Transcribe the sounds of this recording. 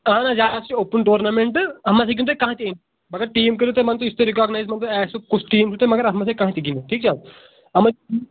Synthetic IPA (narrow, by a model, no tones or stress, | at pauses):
ãnad͡ʒaːast͡ʃioːpənʈoːɾnaːmẽɳʈɐmːaseɡĩnt̪ekɐ̃ɦãt̪iẽn | mɐɡəɾʈiːmkəɾot̪emɐnt̪oɪst̪eɾikaːɡnaːjzmɐnt̪oɛːsukʊt͡ʃʰʈiːmt͡ʃʰut̪emɐɡəɾɐmːɐsekɐ̃ɦãt̪iɡindoʈʰiːk̚t͡ʃʰa | ɐma